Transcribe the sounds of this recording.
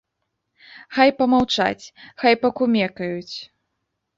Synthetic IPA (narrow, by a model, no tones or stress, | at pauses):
xajpɐmawt͡ʂa̰t͡sʲxajpɐkumʲɛkɐjut͡sʲ